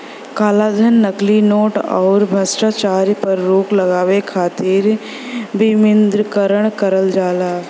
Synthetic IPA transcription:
kaːlaːd̪ʱənːɐklinoːʈɔ̰ːɾbʱɐsʈaːt͡ʃaːɾpɐɾːoːklɐɡaːʋekʰaːt̪iːɾ | bɪmɪnd̪ɾəkəɾəɽ̃kəɾəld͡ʒaːlaː

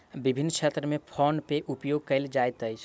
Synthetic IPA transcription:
bibʱinːət͡ʃʰet̪ɾəmepʰɔnpeʔupjoɡ̚kəɪld͡ʒajt̪əjt͡ʃʰ

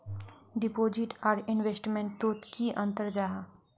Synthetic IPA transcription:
ɖɪpoːd͡ʒɪʈaːɾɪnʋeːsʈmẽɳʈt̪oːt̪kiʔə̃nt̪əɾd͡ʒaːɦa

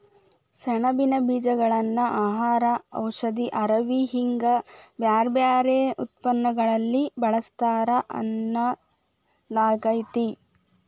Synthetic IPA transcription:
ʃɛɳɐbinɐbiːd͡ʒɐɡɐɭɐnːɐʔaːɦaːɾɐɐ̰wʂɐd̪iʔɐɾɐʋiɦiŋɡɐbjaːɾbjaːɾeut̪̚pɐnːɐɡɐɭɐlːibɐɭɐst̪aːɾɐʔɐ̰nːɐ | laːɡɐjt̪i

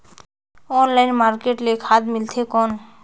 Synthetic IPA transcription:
ɔnlajnmaɾkeʈlekʰad̪milt̪ʰekɔn

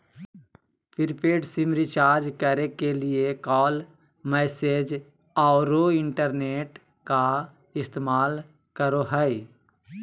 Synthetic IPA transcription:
pʰɪɾpeːɖsɪmɾɪt͡ʃaːɾd͡ʒkəɾekelɪekɔːl | mɛːseːd͡ʒ | aɾoɪ̃ɳʈəɾneːʈ | ka | ɪst̪eːmaːl | kəɾoɦɛi

